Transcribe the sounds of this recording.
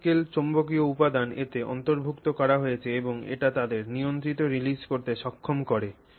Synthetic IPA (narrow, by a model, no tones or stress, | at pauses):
kelt͡ɕombokioupad̪anet̪eɔ̰nt̪oɾbʱukt̪okɔɾaɦojet͡ɕʰeeboŋḛʈat̪ad̪eɾnijont̪ɾit̪oɾiliskoɾt̪eʃɔkʰːomkoɾe